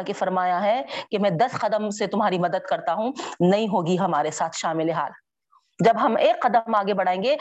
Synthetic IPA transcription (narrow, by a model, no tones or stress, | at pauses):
kefɐɾmaːjaɦɛkemɛ̃ːd̪ɐsqɐd̪əmset̪ʊmɦaːɾimɐd̪əd̪̚kɐɾt̪aɦũnɐɦĩɦoːɡiɦɐmaːɾesaːt̪ʰʃaːmɪleɦaːl | d͡ʒɐbɦɐmeːkːɐd̪əmaːɡebɐɽ̤aːẽːŋɡe